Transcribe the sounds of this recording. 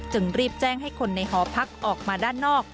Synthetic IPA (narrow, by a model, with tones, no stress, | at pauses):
t͡ɕɯ˧ŋɾiː˥˩p̚t͡ɕɛː˥˩ŋɦa˥˩jkʰo˧nːa˧jɦɔː˩˦pʰa˦˥k̚ʔɔː˨˩k̚maː˧daː˥˩nːɔː˥˩k̚